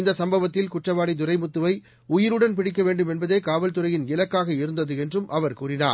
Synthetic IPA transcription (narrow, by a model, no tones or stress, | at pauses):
ɪnd̪ɐsɐmbɐʋɐt̪ːɪlkʊʈrɐʋaːɽid̪ʊrɐɪmʊt̪ːɯʋɐɪ | ʊjɪɾɯɽɐnpɪɽɪk̬ːɐʋeːɳɖɯmɛnbɐðeːkaːʋɐlt̪ɯɾɐjɪnɪlɐkːaːɣɐɪɾɯnd̪ɐðɯɛndrɯmʔɐʋɐɾkuːrɪna̰ːɾ